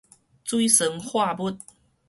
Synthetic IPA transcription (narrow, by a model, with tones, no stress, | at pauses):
t͡swi˦sə˨˦ŋhwa˥˨bu˦t̚